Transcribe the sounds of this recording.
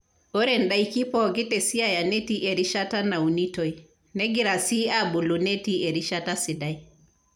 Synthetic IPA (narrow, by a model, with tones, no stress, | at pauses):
ɔ˦ɾɛ˨nɗa˦iki˦pɔ˦ɡi˦tɛ˨si˦a˦ja˨nɛ˦ti˦ʔe˨ɾi˦ʃa˦ta˦na˨u˨ni˦tɔ˨i˨ | nɛ˦ɡi˦ɾa˨si˦a˦bu˨lu˨nɛ˦ti˦ɛ˨ɾi˦ʃa˦ta˦si˨da˦i